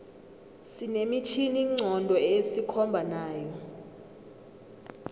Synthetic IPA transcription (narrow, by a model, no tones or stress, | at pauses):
sinemit͡ʃʰiniŋ͡ǀʱɔndʱɔesikʰɔmbʱanaːjɔ